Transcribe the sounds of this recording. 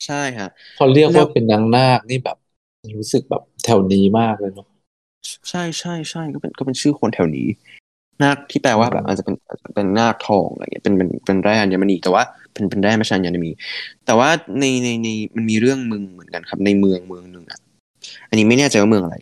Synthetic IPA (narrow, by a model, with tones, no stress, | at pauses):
t͡ɕʰa˥˩jkʰa˦˥ʔ | kʰɔː˧ɾi˥˩ək̚waː˥˩pe˧nːa˦˥ŋnaː˥˩k̚niː˥˩bɛː˨˩p̚ | miː˧ɾu˦˥sɯ˨˩k̚bɛ̰ː˨˩p̚t̪ʰɛ˨˩wniː˨˩maː˥˩k̚lɤː˧jnɔ˦˥ | t͡ɕʰa˥˩jt͡ɕʰa˥˩jt͡ɕʰa˥˩jkɔː˥˩pe˧nkɔː˥˩pe˧nt͡ɕʰɯː˥˩kʰo˧nt̪ʰɛ˨˩wnḭː˦˥ | naː˥˩k̚t̪ʰiː˥˩pɛː˧waː˥˩bɛ̰˨˩pʔa̰ː˨˩t͡ɕa˨˩pe˧nʔa̰ː˨˩t͡ɕa˨˩pe˧nːaː˥˩k̚t̪ʰɔ̰ː˧ŋʔa̰˧ŋḭ˦˥˩pe˧npe˧npe˧nɾɛː˥˩a˧ni˦˥˩ma˧nʔiː˨˩t̪ɛ˨˩waː˥˩ | pe˧npe˧nɾɛː˥˩pa˧˩aː˧ɲːa˧na˨˩miː˧t̪ɛː˨˩waː˥˩na˧jna˧jna˧jma˧nmiː˧ɾɯ˥˩əŋmɯ˧ŋmɯ˨˩˦ənka˧nkʰa˦˥p̚na˧jmɯ˧əŋmɯ˧əŋnɯ˨˩ŋʔa̰˨˩ʔ | ʔa˧nːiː˦ma˥˩jnɛː˥˩t͡ɕa˧jwaː˥mɯ˧əŋʔa˧ɾa̰˧j